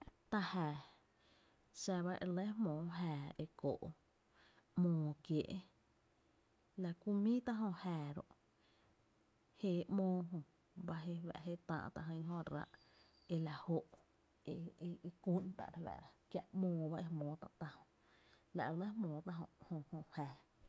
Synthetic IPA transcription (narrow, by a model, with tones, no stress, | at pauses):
t̪a˧hɛː˨ | ʃa˧βa˦ʔe˧le˦ɦmõː˨ɦɛː˨e˧ko̰ː˨ʔ | mõː˧˨kje˨ʔe˦ | la˧kʷu˧mĩː˦t̪a˦ɦõ˧hɛː˨ɾo̰˨ʔ | he˧˨ʔmõː˧˦ɦõ˧˨ | ba˧ɦe˧wɛ̰˧˨ʔɦe˦t̪ã̰ː˧˨ʔt̪a˧ɦə̃˧ɲɦõ˧ɾa̰˧˦ʔ | e˧la˨ho˦ʔ | e˧ku˦nt̪a̰˨ʔɾwɛ̰˨ɾa˧kja˧ʔmõː˧˨ba˦ʔe˧mõː˨t̪ã̰˧˨t̪a˧hõ˧˨ʔ | la˨ʔe˧˨le˦hmõː˨t̪ã˦˧ɦõ̰˧˨ʔhõ˧hõ˧˨hɛː˨